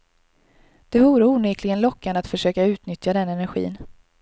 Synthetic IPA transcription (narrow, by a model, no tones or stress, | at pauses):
d̪̥ɛvuːɾəuːnyːklɪɡənlɔkːanat̪fœʂøːkaʉ̟ːt̪nʏt̪jad̪ɛnɛnæɾɧḭːn